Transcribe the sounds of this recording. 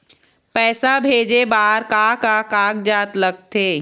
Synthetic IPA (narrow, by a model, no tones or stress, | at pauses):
pɛːsabʱeːd͡ʒebaːɦɾkakakaːɡd͡ʒaːt̪ləɡ̚t̪ʰeː